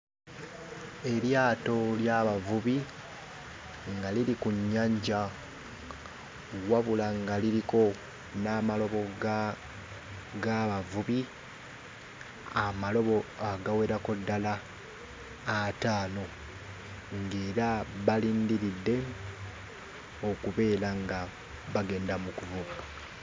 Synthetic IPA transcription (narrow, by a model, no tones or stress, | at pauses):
e̞ɾjaːto̞ljaβavuβi | ŋɡaliɾikuɲːaɲɟa | waβulaŋɡaliɾiko̞ | naːmalo̞βo̞ɡ | ɡaβavuβi | amalo̞βo̞aɡawe̞ɾako̞dːala | taːno̞ | ŋɡe̞ːɾaβaliːndiɾidːe̞ | okuβe̞ːɾaŋɡa | βaɡe̞ːndamukuvuβa